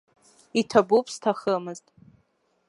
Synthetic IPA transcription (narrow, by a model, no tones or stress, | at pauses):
itʰabupʼstʰaχəmɨztʼ